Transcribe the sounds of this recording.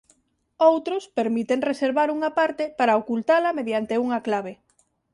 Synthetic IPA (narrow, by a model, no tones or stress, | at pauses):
owt̪ɾʊspeɾmit̪eŋreseɾβaɾuŋɐpaɾt̪epaɾaokult̪alɐmeðjant̪euŋɐklaβ̞e